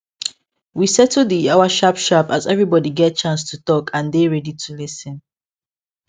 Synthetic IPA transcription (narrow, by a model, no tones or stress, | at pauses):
wisɛtʰuiaʊaʃapʃapazɛvɹibɔdiɡɛt̚t͡ʃãnstʰutɔkʰãndeɹɛditʰulisə̃n